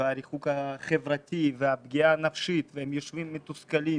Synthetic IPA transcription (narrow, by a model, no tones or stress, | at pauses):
eaɾiχukaχevʁat̪ʲiveabɡiaːnafʃit̪vehemjoʃvimːet̪uskalim